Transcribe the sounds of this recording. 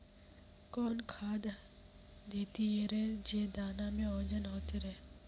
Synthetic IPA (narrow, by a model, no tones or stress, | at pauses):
kɔːnkʰaːd̪ | d̪eːt̪ieɾɛːd͡ʒeːd̪aːnamẽoːd͡ʒənɦoːt̪eɾɛː